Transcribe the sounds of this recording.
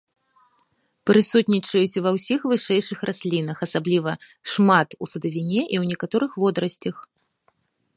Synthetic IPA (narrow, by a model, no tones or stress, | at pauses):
pɾɨsut̪ʲnʲit͡ʂɐjut͡sʲvɐwsʲixvɨʂɛjʂɨxrʔasʲlʲinɐxɐsablʲivɐʂmat̪usɐd̪ɐvʲinʲɛʔiwnʲɛkat̪ɔɾɨxvɔd̪ɾɐsʲt͡sʲɐx